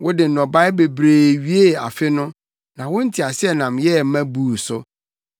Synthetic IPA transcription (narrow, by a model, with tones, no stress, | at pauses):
wʊ˦dɪ˨n̩˨nɔ̃˨ba˦ɪ˦be˨bɾeː˨ɥi˦e˦a̰˨fɪ˦nʊ̃˦ | nã˨wʊ̃˦n̩˦tʰi˨a˨sɪ˦ɛ˦nã˨mjɛ˦m̩˦mæ̃˦buː˨sʊ˦